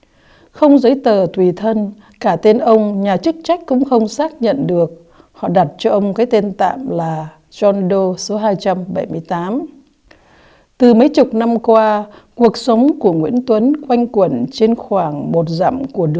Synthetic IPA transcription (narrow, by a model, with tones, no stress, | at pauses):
xə˧wŋ͡mzə˨˦jt̪əː˨˩t̪ʰwi˨˩t̪ʰə˧n | kaː˧˩t̪e˧nʔə˧wŋ͡mɲaː˨˩t͡ɕɨ˦˥k̚t͡ɕa˦˥jk̟̚kʊ̰˧˥ŋ͡mxə˧wŋ͡msaː˦˥k̚ɲə̰˧˨nɗɨ˨˩ək̚ | hɔ̰˧˨ɗa˨˩t̚t͡ɕɔ˧ʔə˧wŋ͡mkaː˨˦jt̪e˧nt̪a̰ː˧˨mlaː˨˩ | zɔ˧nɗo˧so˨˦ɦaː˧jt͡ɕa˧mɓə˧˩jmɨ˧əjt̪aː˨˦m | t̪ɨ˨˩mə˨˦jt͡ɕʊ˨˩k͡p̚na˧mkwaː˧ku˨˩ək̚sə˨˦wŋ͡mku˧˩əŋwḭ˧˥ənt̪wə˨˦nkwa˧jŋ̟kwə˧˩nt͡ɕe˧nxwaː˧˩ŋmo˨˩t̚za̰˧˩mku˧˩əɗɨ˨˧˨